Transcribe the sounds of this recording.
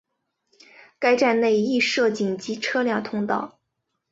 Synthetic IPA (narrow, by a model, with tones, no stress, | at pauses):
ka˥ɪʈ͡ʂa˥˧nne˥˩ɪi˥˧ʂɤ˥˩t͡ɕi˨˩ŋt͡ɕi˧˥ʈ͡ʂʰɤ˥ljɑ˥˩ŋt̪ʰʊ˥ŋt̪ɑ˥˩ʊ